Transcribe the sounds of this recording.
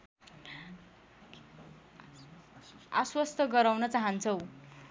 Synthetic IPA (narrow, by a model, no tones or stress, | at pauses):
aswʌst̪ʰʌɡʌɾawnʌt͡saɦant͡sʰʌw